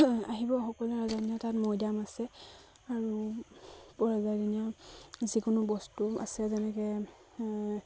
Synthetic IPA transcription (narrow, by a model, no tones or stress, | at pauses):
aɦibɔxɔkɔlɹazaniatatmɔjdamasɛ | aɹu | pɔɹazadiniazikʊnʊbɔstua̰sɛzɛnɛkɛ